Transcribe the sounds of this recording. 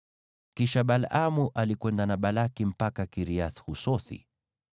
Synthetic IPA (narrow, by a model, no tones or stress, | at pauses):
kiʃaɓalamuʔalikwɛndanaɓalakim̩pakakiɾiaθhusɔθḭ